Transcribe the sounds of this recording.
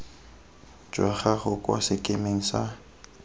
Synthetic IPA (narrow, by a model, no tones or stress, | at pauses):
d͡ʒwaχaχʊkʼwa̰sɪkʼemeŋ̩sa